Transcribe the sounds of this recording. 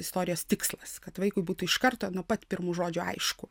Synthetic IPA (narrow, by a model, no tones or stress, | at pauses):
ɪst̪oːɾʲɪjoːst̪ʲɪkslˠɐskɐt̪ʋɐɪkʊɪbuːt̪uːɪʃkɐrt̪oːnuɔpɐt̪ʲpʲɪɾmuːʒoːd͡ʒʲʊɐ̰ɪʃkʊ